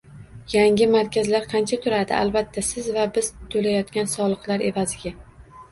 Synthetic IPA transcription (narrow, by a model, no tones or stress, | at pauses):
jaŋʲɪmaɾkʲʰazlaɾqʰɑnt͡ʃʰat̪ʰʊɾad̪ɪ̰ʔa̰lbat̪ʰːasɪzvabɪz̥t̪ʰolajɒt̪kʲansɒlˠɨqlˠaɾe̞vazɪɡʲa